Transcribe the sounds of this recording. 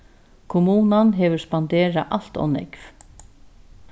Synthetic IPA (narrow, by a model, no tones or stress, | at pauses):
kʰʊmuːnanɦɛʋɵɹspand̪eːɹaʔal̥t̪ɔ̰nɛ̰kv